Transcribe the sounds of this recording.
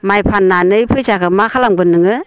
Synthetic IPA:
majpʰanːanɯjpʰɯjsakʰɯmakʰalaŋbɯnːɯŋɯ

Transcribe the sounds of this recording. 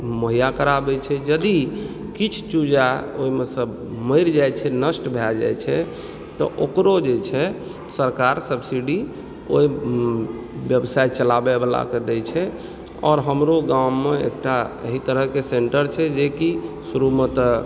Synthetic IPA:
məɦijakəɾabɛt͡ʃʰɛd͡ʒəd̪i | kit͡ʃʰt͡ʃud͡ʒaoimesəbʱ | məɪɾd͡ʒajt͡ʃʰɛnəsʈbʱɛd͡ʒa̰jt͡ʃʰɛ | t̪ɔ̰ʔokɾod͡ʒet͡ʃʰɛ | səɾkaɾsəbsiɖi | o̰i | bjəbsait̪̚t͡ʃəlabɛbəla̰ked̪ɛt͡ʃʰɛ | ɔ̰ɾɦəmɾoɡamːeḛk̚ʈaə̰ɦit̪əɾəɦkeseɳʈəɾt͡ʃʰɛd͡ʒekisuɾumet̪

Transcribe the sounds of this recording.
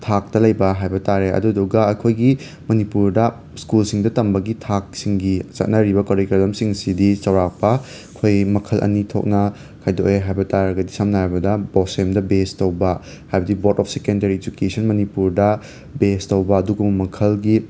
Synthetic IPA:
tʰak̚tɐlɐjbɐɦajbɐtaɾeɐ̰duduɡɐɐkʰojɡi | mɐnipuɾdɐ | skulsiŋdɐtɐmbɐɡitʰak̚siŋɡit͡ʃɐ̰t̚nɐɾibɐkɐɾikɾɐlɐmsiŋsidisɐwɾak̚pɐ | ɐkʰojmɐkʰɐlʔɐ̰nitʰo̰k̚nɐ | kʰajdoeɦajbɐtaɾɐɡɐdisamnɐɦajbɐdɐbɔsemdɐbestɐwbɐ | hajbɐdibotɔp̚ʰsekendɐɾied͡ʒukesɐnmɐnipuɾdɐ | bestɐwbɐːduɡummɐkʰɐlɡi

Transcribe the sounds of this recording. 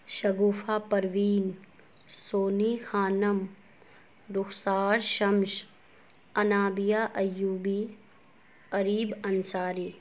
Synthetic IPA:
ʃɐɡuːfʰaːpɐɾʋiːn | soːniːxʰaːnɐm | ɾʊksaːɾʃɐmʃ | ɐnaːbijaːʔɐjuːbi | ɐɾiːbɐnsaːɾiː

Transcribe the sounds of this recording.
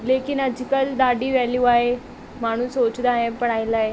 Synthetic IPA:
lekinəd͡ʑikəld̪aɖiːʋaljuaɦe | maɽ̤ũːsot͡ɕd̪aɦepəɳ̃ajlaɦe

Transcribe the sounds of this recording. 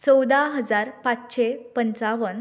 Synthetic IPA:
t͡səwd̪aɦəd͡zaɾpat͡sɕepənt͡saʋən

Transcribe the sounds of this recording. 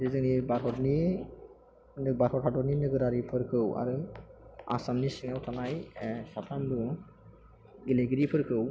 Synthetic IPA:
zezɯnibaɾhʰɔtni | nbaɾxɔtʰatɔɾninɯɡɯɾaɾipʰɯɾkʰɯwa̰ɾɯ | a̰samnisiŋawtʰanajsatʰamdu | ɡileɡiɾipʰɯɾkʰɯw

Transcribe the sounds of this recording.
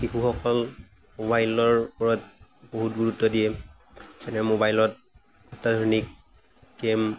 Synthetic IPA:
xixuxɔkɔl | mobajlɔɹpɔɹɔt̚boɦut̚ɡuɹutːɔdijɛ | sɛnɛmobajlɔt̚ | atadʱɔɹnikː | em

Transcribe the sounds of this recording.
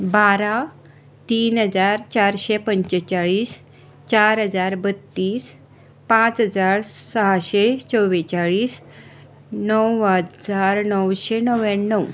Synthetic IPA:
baɾa | t̪iːnɦəd͡zaɾt͡ɕaɾɕepəɲt͡ɕət͡ɕaɭiːs | t͡ɕaɾɦəd͡zaɾbət̪ːiːs | pãt͡sɦəd͡zaɾsəɦaɕet͡sɔʋet͡ɕaɭiːs | nəwwɦəd͡zaɾnəwɕenəweːəw

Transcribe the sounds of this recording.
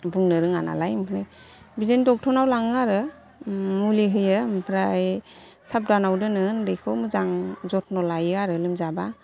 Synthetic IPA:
buŋnɯɾɯŋa̰na̰lajmpʰnɯj | bizendɔk̚tʰɔnawlaŋaɾɯ | muleɦɯjɯmpʰɾajsap̚danawdɯnɯndɯjkʰɔmɯzaŋzɔt̚ʰnɔlajɯaɾɯlɯmzaba

